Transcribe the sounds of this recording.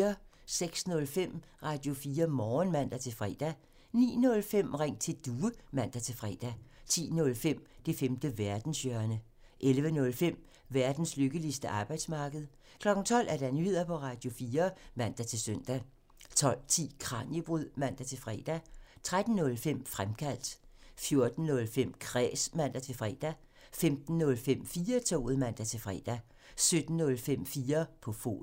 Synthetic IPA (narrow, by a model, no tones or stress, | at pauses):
ɐ | seɡ̥snɔ̽lfem̰ | ʁɑ̈ːd̥jo̝fiːɐmɒːnmæn̰d̥æt͡sʰe̝lfʁɛ̰ːd̥æ | nḭːnɔ̽lfem̰ʁeŋ̰t͡sʰe̝d̥uːəmæn̰d̥æt͡sʰe̝fʁɛ̰ːd̥æt͡sʰḭːnɔ̽lfem̰d̥e̝femd̥əʋæɐd̥n̩sœɐnə | ʔelʋənɔ̽lfem̰ | ʋæɐd̥n̩sløɡ̥əlisd̥əʔɑ̈ːb̥ɑ̈ɪd̥smɑ̈ːɡ̥əð̞̩ˠ | kʰlɒ̽ɡ̥n̩t͡sʰɒ̽l̰ʔæɐɾ̥ænye̝ð̰ˠɐpʰɒ̽ʁɑ̈ːd̥jo̝fiːɐmæn̰d̥æt͡sʰe̝lsøn̰d̥æ | t͡sʰɒ̽l̰t͡sʰḭːkʰʁɑ̰̈njib̥ʁuð̰ˠmæn̰d̥æt͡sʰe̝lfʁɛ̰ːd̥æt͡sʰʁad̥n̩nɔ̽lfem̰fʁamkʰæl̰d̥fjo̝ɐd̥n̩nɔ̽lfem̰kʰʁɛ̰ːsmæn̰d̥æt͡sʰe̝lfʁɛ̰d̥æ | femd̥n̩ːɔ̽lfem̰fiːɐt͡sʰo̰ːð̩ˠmæn̰d̥æt͡sʰe̝lfʁɛ̰ːd̥æ | sød̥n̩ːɔ̽lfem̰fiːɐpʰɒ̽fo̝̰ː